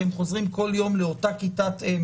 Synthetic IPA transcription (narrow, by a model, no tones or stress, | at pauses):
emχo̞zʁimko̞ljo̞mleotakitat̪em